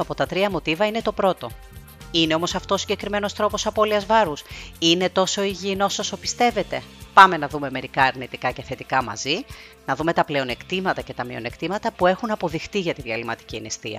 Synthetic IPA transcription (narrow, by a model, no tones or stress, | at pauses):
ɐpo̞t̪ɐt̪ɾiɐmo̞t̪ivɐine̞t̪o̞pɾo̞t̪o̞ | ine̞o̞mo̞sɐft̪oːsiɲɟe̞kɾime̞no̞st̪ɾo̞po̞sɐpo̞liɐzvɐɾusine̞t̪o̞so̞iʝino̞so̞so̞pi̥st̪e̞ve̞t̪e̞pɐme̞nɐðume̞me̞ɾikɐːɾnit̪ikɐce̞θe̞t̪ikɐmɐ̰zi | nɐðume̞t̪ɐple̞o̞ne̞kt̪imɐt̪ɐce̞t̪ɐmione̞kt̪imɐt̪ɐpue̞xunɐpo̞ðixt̪iʝɐt̪iðiɐlimɐt̪i̥cienist̪iɐ̰